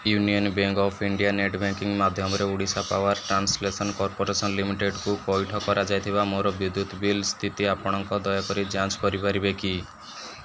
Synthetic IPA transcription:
junijɔnbeŋɡɔpʰiɳɖijaneʈbaŋkiŋɡmad̪ʱjɔmɔɾeuɽisapawaɾʈɾanslesɔnkɔɾpoɾesɔnlimiʈeɖkupɔjʈʰɔkɔɾad͡ʒajt̪ʰibamoɾɔbud̪ːut̪bilst̪ʰit̪iapɔɽ̃ɔŋkɔd̪ɔjɔkɔɾid͡ʒãt͡ʃkɔɾipaɾibeki

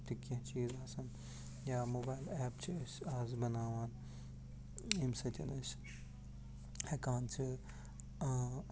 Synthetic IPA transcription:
t̪ikːɐ̃t͡ʃiːzaːsɐn | jaːmoːbaːjlɛːp̚t͡ʃʰiɐsaːzbɐnaːʋaːn | imsɐt̪ʰʲɐnɐs | hɐkaːnt͡ʃʰi

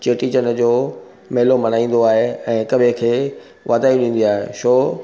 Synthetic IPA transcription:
t͡ɕeːʈiːt͡ɕənd͡ʑoː | meɦɪlomɐn̤aːĩːn̆d̪oaːɦeɛ̃ːkɐbʱekʰeː | ʋaːd̪aːjũɗĩːn̆d̪iaːɦḛʃoː

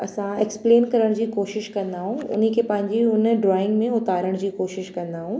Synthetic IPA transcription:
ɐsãekspleːnkɐɾəɽ̃d͡ʑiːkoːʃɪʃkɐ̃nd̪aːɦũʊ̰n̤əkʰepɐ̃ɦɪ̃ɲd͡ʑiʊnɖɾɔːɪ̃ŋɡmẽʊt̪aːɾəɽ̃d͡ʑiːkoːʃɪʃkɐ̃nd̪aːɦũː

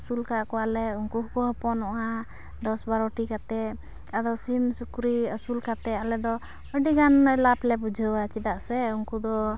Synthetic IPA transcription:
sulkaʔkɔwalɛunkuɦkɔɦɔpɔnɔʔa | d̪ɔsbaɾɔʈikat̪ɛ | ad̪ɔsimsukɾiəsulkat̪ɛalɛd̪ɔ | əɖiɡanɛlaplɛbud͡ʒʱəwat͡ʃid̪aʔsɛunkud̪ɔ

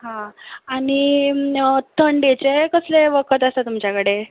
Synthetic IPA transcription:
ɦãaɽ̃i | t̪ʰəɳɖet͡sekəsleʋəkʰət̪əst̪at̪umt͡ɕjakəɽe

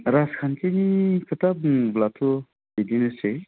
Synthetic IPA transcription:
ɾaskʰankʰenikʰɯtap̚blatʰu | dedinɯse

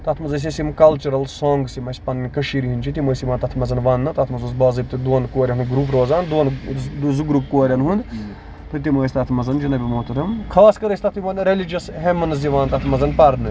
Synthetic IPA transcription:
t̪ɐt̪ʰmɐzɐs̬ʲesimkɐlt͡ʃuɾɐlsoːŋɡsimɐsʲpɐnnʲkɐʃiːɾʲiɦinʲt͡ʃʰit̪imoːjsimɐːnt̪ɐt̪ʰmɐzɐnʋɐnːɨt̪ɐt̪ʰmɐzusbɐːzɐb̚t̪ɨd̪oːnkoːɾʲɐɦunɡɾuːpɾoːzaːnd̪oːnd̪zuɡɾuːpkoːɾʲɐnɦund̪ | t̪ʰɨt̪imoːjsʲt̪ɐt̪ʰmɐzɐnd͡ʒunɐbʲimoːt̪ɨɾɐmkʰaːskɐɾɐsʲt̪ɐt̪ʰimɐnɾelid͡ʒɐsɦemɐnziʋaːnt̪ɐt̪ʰmɐzɐnpɐɾnɨ

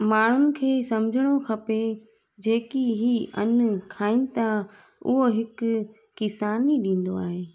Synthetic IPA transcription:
maːɳ̤ʊnɪ̆kʰeːsɐmd͡ʑʱɪɽ̃okʰɐpe | d͡ʑeːkiɦiɐ̰n̆kʰaːĩnɪ̆t̪ʰa | ʊ̰ɦoɦɪkʊː | ɪsaːniɗĩːn̆d̪oa̰ːɦeː

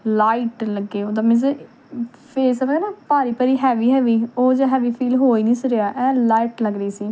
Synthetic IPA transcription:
laːiʈləɡːeːoːd̪aːmɛ̃ze | pʰeːsəbɡɛnaːpaːɾiːpəɾiːɦɛːʋiːɦɛːʋiːoːd͡ʒaɦɛːʋiːpʰiːlɦoːiːnĩːsəɾeaːʔɛːlaːiʈləɡɾəiːsiː

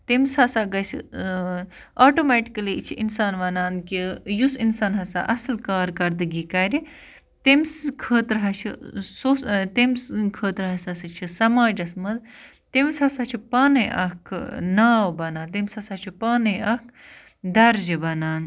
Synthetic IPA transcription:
t̪emshɐsaːɡɐsḭ | aːʈomɛʈi̥kɐlit͡ʃʰiʔinsaːnʋɐnaːnkijusinsaːnɦɐsa̰ːʔɐslkaːɾkɐɾd̪ɨɡikɐɾi | t̪emskʰəːt̪ɾɦɐt͡ʃʰisoːst̪emskʰəːt̪ɾɦɐsɐsɐt͡ʃʰisɐmaːd͡ʒɐsmɐz | t̪emshɐsaːt͡ʃʰipaːnɐjʔɐ̰kʰnaːʋbɐnaːnt̪̬emʲsɐsaːt͡ʃʰipaːnɐjɐk | d̪ɐɾd͡ʒibɐnaːn

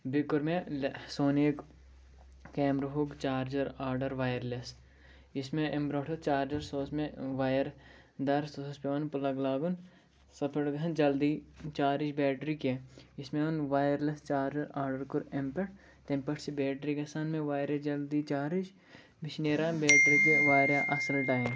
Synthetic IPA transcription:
bɪkʊɾmẽsoːneːk | kɛːmɾɐɦukt͡ʃaːɾd͡ʒɐɾaːɾɖɐɾʋaːjəɾles | ɪsmẽʔembɾoːʈʰɐt͡ʃaːɾd͡ʒɐɾsoːsmẽʋaːjɐɾ | d̪ɐɾsosspeonpʊlɐɡlaːɡun | sɐpʰɪɽɡʱɐ̃nd͡ʒɐld̪iːt͡ʃaːɾɪd͡ʒbɛːʈɾiːkeɪsmẽonʋaːjɐɾlest͡ʃaːɾd͡ʒɐɾaːɾɖɐɾkʊɾempɐʈ̚ʰ | t̪ẽmpɐʈsibɛːʈɾiɡɐsanmẽʋaːjɾed͡ʒɐld̪it͡ʃaːɾɪd͡ʒ | bɪʃneːɾãːbɛːʈɾikeʋaːjɾjaʔɐsɐlʈaːjm

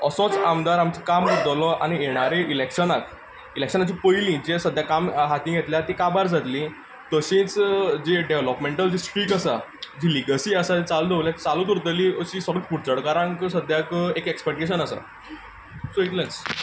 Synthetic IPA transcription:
əsɔ̃t͡samd̪aɾamt͡sekambəɾd̪əlɔʔa̰ñijeɽ̃aɾeʔilekʂənak | ilekʂənat͡ɕipəjlĩd͡ʑesəd̪ʱːjakamɦat̪ĩːɡʱet̪ljat̪ikabaɾd͡zʱat̪lĩ | t̪əɕẽt͡sd͡ʑeɖeʋlɔpmẽɳʈəld͡ʑisʈɾiːkəsad͡ʑiliɡəsiːəsat̪et͡sald̪ʱeʋljat̪t͡saluːt̪uɾt̪əlĩəɕisəɾəkpuɽt͡səɽkaɾãŋkəsəd̪ʱjakekekspek̚ʈeɕənəsa̰ | soit̪lẽt͡s

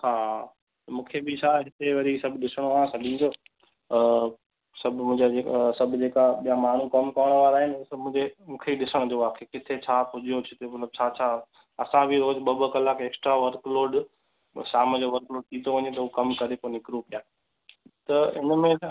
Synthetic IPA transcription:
haː | t̪ɐmũːkʰebʱisaɦɪt̪eʋɐɾisɐbʱɪɗɪsəɽ̃ʋãːsɐɗĩːnd̪oː | sɐbʱmʊ̃ːɪ̃d͡ʑad͡ʑeːkasɐbʱd͡ʑeːkaɓijamaːn̤ukɐmkɐʋəɽ̃ʋaːɾaːɦɪnɪsɐbmʊ̃ːd͡ʑemũːkʰeiɗɪsəɽ̃d͡ʑoʋaːkʰekɪt̪ʰet͡ɕʰaːpʊd͡ʑʱijot͡ɕʰɪt̪emɐt̪ləb̚t͡ɕʰat͡ɕʰa | ɐsãbʱiɾoːd͡ʑɓɐbəkɐlaːkeːksʈɾaʋɐɾkloːɾɖ | ʃaːməd͡ʑoʋɐɾkloːɖ̚t̪ʰiːt̪ʰoʋɐ̃ɲet̪̬ɐɦukɐmkɐɾeponɪkɾupijaː | t̪ɐɪ̰nəmẽ

